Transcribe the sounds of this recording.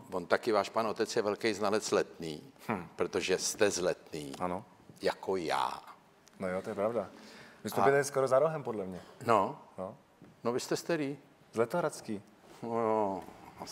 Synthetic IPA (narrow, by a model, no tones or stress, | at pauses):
vont̪akɪvaːʃpanʔo̞t̪ɛt͡sjɛvɛlkɛjznalɛd͡zzlɛt̪niːpɾot̪oʒɛst̪ɛzlɛt̪niːʔano | jako̞ja̰ː | nojot̪ojɛpɾavdavɪsmɛbɪlɛlɪskoɾozaɾoɦɛmpodlɛmɲɛnono | novɪst̪ɛst̪aɾi | zlɛt̪oɦɾat͡skiː | nojo